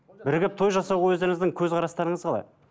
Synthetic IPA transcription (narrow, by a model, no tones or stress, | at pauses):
bɪɾɡʲɪp̚t̪ʰojʒɑsɑwwɵzd̪eɾɪŋɪzd̪ɪŋkʲʰɵzqʰɑɾɑst̪ɑɾəɴəzqʰɑlˠɑ̰j